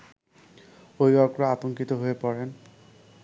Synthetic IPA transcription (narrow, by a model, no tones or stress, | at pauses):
ojwaɹkɔɹaatɔŋkitɔɦojepɔɹɛn